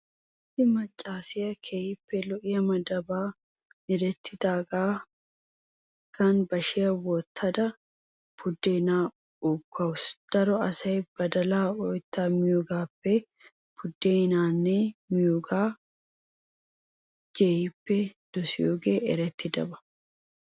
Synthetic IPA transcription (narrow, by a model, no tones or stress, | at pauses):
ɪdɪmɐt͡ʃʼːaːsɪjɐkʰeːjɪpːɛlɔʔɪjɐmɐd̪ɐbaː | ɛɾɛt̪ʰːɪd̪aːɡaː | kɐnbɐʃɪjɐwɔt̪ʰːɐd̪ɐ | pʊd̪ːeːnaː | ʊkʰːɐwʊsd̪̥ɐɾɔɐsɐjb̥ɐd̪ɐlaːɔjt̪ːaːmɪjoɡaːpːɛ | pʊd̪ːeːnaːnːeːmɪjoɡaː | d͡ʒejɪpːɛd̪̥ɔsɪjoːɡeːɛ̰ɾɛt̪ːɪd̪ɐ̰bɐ̥